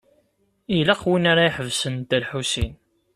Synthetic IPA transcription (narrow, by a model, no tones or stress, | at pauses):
ilaqwinaɾaiħəvsənt̪əlħusḭn